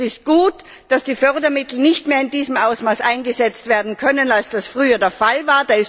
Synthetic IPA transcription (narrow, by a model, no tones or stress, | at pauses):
ɪst̚ɡ̥uːtd̥asd̥iːfœɐʁdɐmɪtl̩nɪçtmeːɐɪndiːzəm̩ʔaʊsmaːsʔaɪnɡəzɛt͡stv̥eːɐdn̩kʰœnənalsd̥asfʁ̥yːɐdeːɐfalvaːɐd̥aːɪs